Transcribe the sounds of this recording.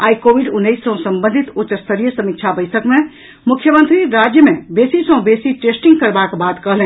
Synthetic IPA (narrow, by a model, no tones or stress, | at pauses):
aikobiɖunːəisːə̃ɦsəmbənd̪ʱit̪ot͡ʃəst̪ʰəɾijəsəmikt͡ʃʰabəɪsəkme | mukʰːjəmə̃nt̪ɾiɾad͡ʒjəmebesisə̃ɦũbesiʈesʈiŋɡkəɾbakbad̪kəɦlɛ̃